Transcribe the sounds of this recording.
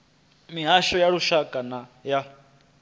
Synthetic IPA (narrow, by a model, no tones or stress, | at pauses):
miɦaʃɔjaɺuʃakʼanaja